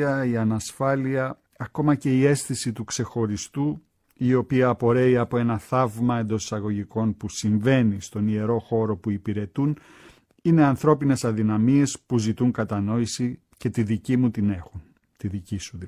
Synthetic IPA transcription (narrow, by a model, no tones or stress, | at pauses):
ɐiɐnɐsfɐliɐ | ɐko̞mɐce̞ie̞sθisit̪ukse̞xo̞ɾist̪u | io̞piɐːpo̞ɾe̞iɐpo̞e̞nɐθɐvmɐe̞nd̪o̞si̥sɐɣo̞ʝiko̞npusiɱve̞nist̪o̞nie̞ɾo̞xo̞ɾo̞puipiɾe̞t̪un | ine̞ɐnθɾo̞pine̞sɐðinɐmie̞spuzit̪uŋkɐt̪ɐno̞isi | ce̞t̪iðicimut̪ine̞xun | t̪iðicisu